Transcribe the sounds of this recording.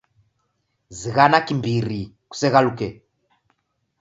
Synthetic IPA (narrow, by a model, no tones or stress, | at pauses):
ziɣanakimbiɾi | ku̥sɛɣalukɛ